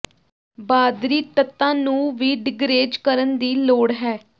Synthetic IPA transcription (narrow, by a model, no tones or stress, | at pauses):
baːd̪ɾiːt̪ət̪ːãːnũːʋiːɖɪɡɾeːd͡ʒkəɾənd̪iːloːɽɦɛː